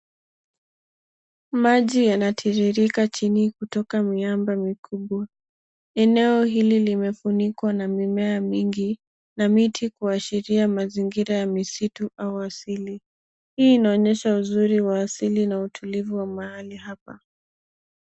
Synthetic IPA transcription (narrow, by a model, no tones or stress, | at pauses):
maʄijanatʰiɾiɾikat͡ʃinikutɔkamiambamikuɓwa | ɛnɛɔɦililimɛfunikwanamimɛamiŋɡi | namitʰikuaʃiɾiamaziŋɡiɾajamisituʔauasili | hiːnaɔɲɛʃauzuɾiwaːsilinautʰulivuwamahalihapa